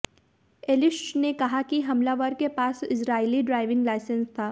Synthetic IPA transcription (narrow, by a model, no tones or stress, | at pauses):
eːlɪʃnekɐɦakiɦɐmlaʋəɾkepaːsɪsɾaːiliɖɾaːɪʋɪ̃ŋɡlaːɪsə̃nst̪ʰaː